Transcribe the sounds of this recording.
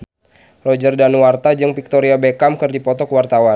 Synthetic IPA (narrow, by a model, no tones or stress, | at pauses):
rɔd͡ʒərdanwart̪ad͡ʒɨŋpik̚t̪oɾiabekamkɨrdipɔt̪ɔkwart̪awan